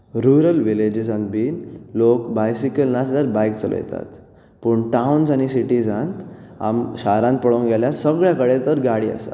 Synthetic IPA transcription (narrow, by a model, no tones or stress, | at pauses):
ɾuɾəlʋiled͡ʑizãnbiːnlokbajsikəlnasd̪aɾbajk̚t͡səlo̰jɛ̰t̪a̰t̪ | pəːɳʈaunsañisiʈid͡zãnt̪ | a̰mɕaɾãnt̪̚pəɽõɡɛljaɾsəɡɭjakəɽet̪əɾɡaɽiːa̰sa̰